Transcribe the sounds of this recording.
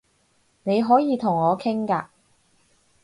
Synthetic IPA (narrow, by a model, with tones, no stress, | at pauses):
ne˨˧jɦɔː˨˥jiː˨˧t̪ʰʊ˨˩ŋɔː˨˧kʰɪ˥ŋkaː˧